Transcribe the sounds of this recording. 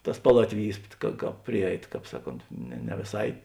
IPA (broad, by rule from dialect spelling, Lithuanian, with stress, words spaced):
ˈtɐs ˈpɑːlˠɐtʲʋʲɪˌjiːs kɐ ˈkɑːp ˈpʲrʲɪˌjɛɪt ˈkɑːp ˈsɑːˌkoːnt nʲɛ nʲɛ ʋʲeːˈsɐɪ